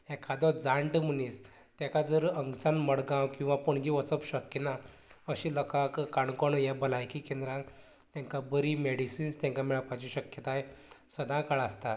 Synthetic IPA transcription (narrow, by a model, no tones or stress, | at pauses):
ɛkʰad̪ɔd͡zaɳʈm̤ənis | t̪jɛ̃kad͡zəɾəŋɡt͡sanməɽɡãwkĩw̃ʋapuɳɡiʋət͡səpɕəkːina | əɕilɔkakkaɳkɔɳjɛbəlajkikẽnd̪ɾa | t̪jãŋkabəɾimeɽisinst̪jãŋkamɛɭpat͡ɕiɕəkjət̪aesəd̪ʱãkaɭast̪a